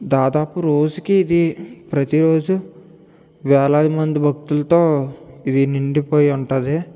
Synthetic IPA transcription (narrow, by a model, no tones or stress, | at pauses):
d̪aːd̪aːpuɾoːd͡ʒukiːd̪ipɾɐt̪iɾoːd͡ʒu | ʋɛːlaːd̪imɐnd̪ibʱɐk̚t̪ulɐt̪o̞ːid̪iniɳɖipoːjiuɳʈɐnd̪i